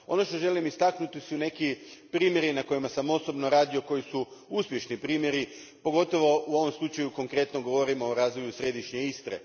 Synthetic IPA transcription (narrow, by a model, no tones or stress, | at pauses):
o̞no̞ʃt̪o̞ʒe̞limist̪aknut̪isune̞kipɾiːmje̞ɾinako̞imasamo̞so̞bno̞ɾaːd̪io̞ko̞jisuuspje̞ʃnipɾiːmje̞ɾi | po̞ɡo̞t̪o̞ʋo̞uo̞ʋo̞mslˠut͡ʃajuko̞ŋkɾe̞t̪no̞ɡo̞ʋoɾimoːɾaːzʋo̞jusɾe̞d̪iʃɲeist̪ɾḛ